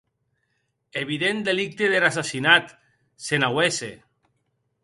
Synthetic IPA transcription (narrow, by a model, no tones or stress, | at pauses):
eβ̞iðend̪elik̚t̪eðeɾasasinat̪ | senawese